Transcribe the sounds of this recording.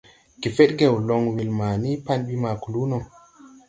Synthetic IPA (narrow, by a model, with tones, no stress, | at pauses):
ki˨fe˦t̚ɡe˨wlɔ˧˨ŋwi˨lmaː˨ni˦pa˦nɓi˦ma˨ku˨lu˦nɔ˨